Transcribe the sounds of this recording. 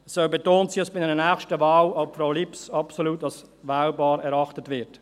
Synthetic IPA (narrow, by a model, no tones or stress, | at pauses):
sœbetoːntsiɑsb̥ɪnɛnənɛːχʃtəvaːlɑpfɾaʊlipsɑpsoluːtɑs | ʋaːlbɑːɾɛɾɑχtətʋɪɾt